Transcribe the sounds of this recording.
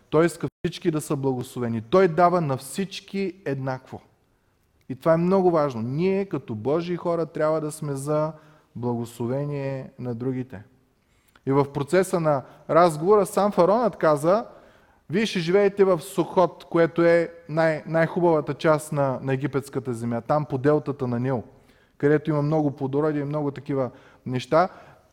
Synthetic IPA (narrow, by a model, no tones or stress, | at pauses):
t̪ɔjiskəfsit͡ʃkid̪ɐsəblˠɐɡoslˠovɛnit̪ɔjd̪avənɐfsit͡ʃkiɛd̪nakvo | it̪ovaɛmnɔɡʊvaʒnonʲiɛkɐt̪ɔbɔʒiːxɔɾət̪ɾʲabvəd̪ɐsmɛzɐ | blˠɐɡoslˠovɛniɛnɐd̪ɾuɡit̪ɛ | ivɐfpɾot̪sɛsənɐ | ɾazɡovoɾəsamfɐɾɔnət̪kazə | viɛʃɛʒivɛɛt̪ɛvɐfsoxɔt̪koɛt̪oɛnajnajxubɐvət̪ət͡ʃast̪nɐnɐɛɡipɛt̪skət̪əzɛmjat̪ampod̪ɛlˠt̪ət̪ənɐnʲilˠ | kɐd̪ɛt̪oimɐmnɔɡʊplˠod̪oɾɔd̪iɛimnɔɡʊt̪ɐkivə | nɛʃt̪a